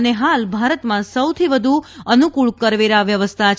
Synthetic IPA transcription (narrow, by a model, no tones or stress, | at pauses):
əneɦalbʱaɾət̪mãsəwt̪ʰiʋəd̪ʱuənukuɭkəɾʋeɾaʋjəʋəst̪ʰat͡ʃʰ